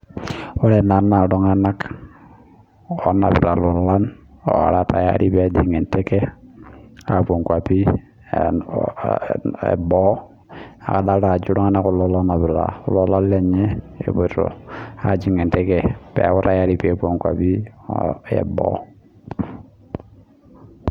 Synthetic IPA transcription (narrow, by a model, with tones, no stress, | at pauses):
ɔ˦ɾɛ˨na˨nːa˨ɾɔ˦ŋa˦na˦k | ɔ˨na˨bɪ̰˨ɾa˨lɔ˨la˦nɔ̰˨a̰˨ɾa˦ta˨ja̰˦ɾi˦pi˦a˨di˨ŋɛ˨ntɛ˦kɛ˦ | a˨pʷo˨ŋkwa˨pi˦ | ɛ̰˨bɔ˦ | a̰˨ka˨da˦ɾa˨d͡ʒu˦ɾɔ˦ŋa˦na˦kɔ˦lɔ˦lɔ˦na˨bɪ˨la̰˨ʊ˦lɔ˦la˦lɛ˦˨ɲɛ˦ | ɛ̰˨bɔ˨ɾɔ̰˨a˨d͡ʒi˨ŋɛ˨ntɛ˦kɛ˦pɛ̰˨˦wɔ˦ta˦ja˦ɾi˦pa˨pu˦o˨ŋkwa̰˨pi˦ | ɛ̰˨bɔ̰˦